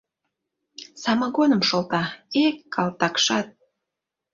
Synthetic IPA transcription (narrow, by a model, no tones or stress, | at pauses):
sɑmɑɣonə̆mʃolt̪ɑekːɑlt̪ɑkʃɑt̪̚